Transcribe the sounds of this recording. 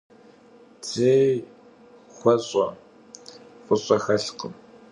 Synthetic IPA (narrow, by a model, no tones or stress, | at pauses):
d͡zeː | xʷɔɕʼɔ | fʼʊɕʼɐxɐɬqəm